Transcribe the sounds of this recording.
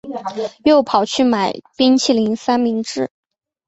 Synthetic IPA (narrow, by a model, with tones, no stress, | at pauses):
jo˥˩ʊpʰɑ˨˩ʊt͡ɕʰy˥˩ma˨˩˦ɪpi˥ŋt͡ɕʰi˥˩li˧˥ŋsa˥nmi˧˥ŋʈ͡ʂɻ̩˥˩